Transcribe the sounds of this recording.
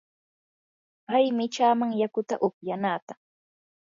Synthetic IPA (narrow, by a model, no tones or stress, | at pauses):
pajmɪt͡ʃaːmaŋjakʊt̪aʔʊpjanaːt̪a